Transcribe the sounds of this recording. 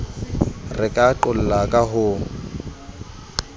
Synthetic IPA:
rɪkʼaǃʊl̩lakʼaɦʊ

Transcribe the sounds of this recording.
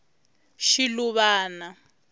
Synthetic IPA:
ʃiluβaːna

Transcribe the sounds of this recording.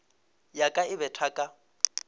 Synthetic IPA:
jakʼaɪbɛtʰakʼa

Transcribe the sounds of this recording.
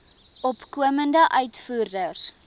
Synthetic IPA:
ɔpkuəməndəʔœɥtfuːrdər

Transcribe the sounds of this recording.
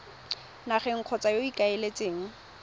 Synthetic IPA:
naχɛŋ̩q͡χʰɔt͡sʼajoikʼaɪlet͡sʼeːŋ̩

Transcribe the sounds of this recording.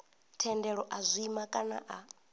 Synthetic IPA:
tʰɛndɛɺɔʔazʷiːmakʼana̰ʔa

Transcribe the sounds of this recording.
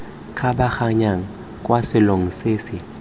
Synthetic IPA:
kʰaɓaxaɲaŋ̩ | kʼwasɪlʊŋiseːsɪ

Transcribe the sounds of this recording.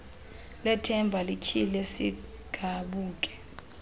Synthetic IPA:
lɛtʰɛmbʱalikʰilɛsi | ɡ̥ʱaɓuːk̬ʼɛ̥

